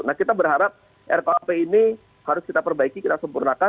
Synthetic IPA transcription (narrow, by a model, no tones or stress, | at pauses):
nahkit̪abərɦaɾap̚ | ʔɛ̰rkoapeini | haɾʊskit̪apərbaikikit̪asəmpurnaka